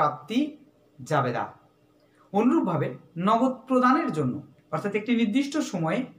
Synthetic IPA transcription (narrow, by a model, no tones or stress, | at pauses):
ap̚t̪i | d͡ʑabed̪a̰ | onɾub̚bʱabenɔɡod̪̚pɾod̪aneɾd͡ʑonːo̰ | ɔɾt̪ʰat̪ek̚ʈiniɾd̪iʃʈoʃɔmɔe